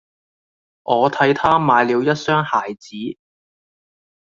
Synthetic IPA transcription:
ʔɔː˨˧t̪ʰɐ˨˥jt̪ʰaː˥maː˨˧jliː˨˧wjɐ˥t̚sœː˥ŋhaː˨˩jt͡siː˨˥

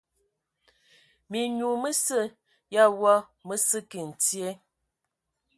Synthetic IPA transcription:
mi˨ɲu˨mə˦sə˦˨ | ja˦wɔ˦mə˦sə˦ki˨n̩˨tje˦

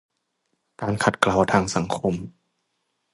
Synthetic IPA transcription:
kaː˧nkʰa˨˩t̪̚klaː˨˩wt̪ʰaː˧ŋsa˩˦ŋkʰo˧m

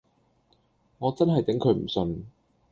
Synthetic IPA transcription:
ŋɔː˨˧t͡sɐ˥nɦɐ˨jt̪ɪ˨˥ŋkʰɵ˨˧ɥm̩˨˩sɵ˧n

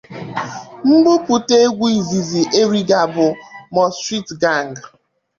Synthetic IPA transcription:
ŋ͡m̩˦ɡ͡bʊ˦pu˨te˦ɡʷi˨zi˨zi˨ʔe˦ɾi˦ɡa˨bʊ˨mɔ˨stɾi˦tɡa˦˨ŋ˨ɡ

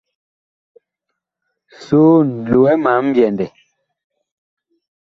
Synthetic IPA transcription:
so˦n̩˨dlo˨ɛ˦ma˨˦m̩˦bjɛ˨ndɛ˨

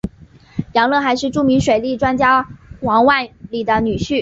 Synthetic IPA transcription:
jɑ˧˥ŋlɤ˥˩˧xa˧˥ɪʂɻ̩˥˧ʈ͡ʂu˥˩mi˧˥ŋʂwe˨˩ɪli˥˩ʈ͡ʂwa˥nt͡ɕja˥wɑ˧˥ŋwa˥˩nli˨˩d̪ə˦ny˨˩ɕy˥˩

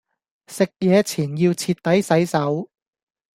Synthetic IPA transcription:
sɪ˨k̚jɛː˨˧t͡sʰiː˨˩njiː˧wt͡sʰiː˧t̚t̪ːɐ˨˥jsɐ˨˥jsɐ˨˥w

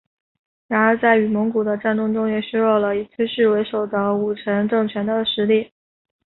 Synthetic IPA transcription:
ɻa˧˥nə˞˧˥t͡sa˥˩ɪy˨˩mʊ˧˥ŋku˨˩d̪ə˦ʈ͡ʂa˥˧nt̪ʊ˥˧ŋʈ͡ʂʊ˥ŋjɛ˨˩ɕo˥ɻɔ˥˩ʊlə˩i˨˩t͡sʰe˥ʂɻ̩˥˩we˧˥ɪʂo˨˩ʊd̪ə˦u˨˩ʈ͡ʂʰə˧˥ŋʈ͡ʂɤ˥˩ŋt͡ɕʰɥɛ˧˥nd̪ə˧ʂɻ̩˧˥li˥˩

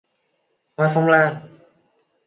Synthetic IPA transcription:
maː˧˩fɔ˧˥mlaː˧˥˩ŋ

